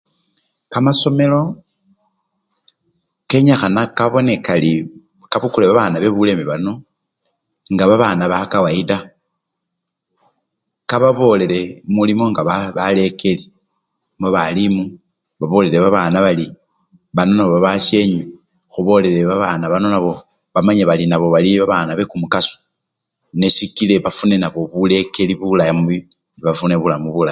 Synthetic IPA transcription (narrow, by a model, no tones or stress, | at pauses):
kamaso̞me̞lo̞ | ke̞ɲaxanakaβo̞ne̞kali | kaβukuleβaβanaβe̞βule̞miβano̞ | ŋɡaβaβanaβakawaida | kaβaβo̞le̞le̞mulimo̞ŋɡaβaβale̞kʰe̞li | mboβalimu | βaβo̞le̞ɾe̞βaβanaβali | βano̞naβoβaβasje̞ɲwe | xuβo̞le̞ɾe̞βaβanaβano̞naβo̞ | βamaɲeβalinaβo̞βaliβaβanaβe̞kumukasu̥ | nesikile̞βafune̞naβo̞βule̞ke̞liβulajamuβi | niβafuneβulamuβulaj